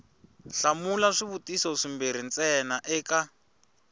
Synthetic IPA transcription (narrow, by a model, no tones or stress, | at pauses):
ɬamulaʂiβutisoʂimbeɾ̤int͡sɛnaʔɛːka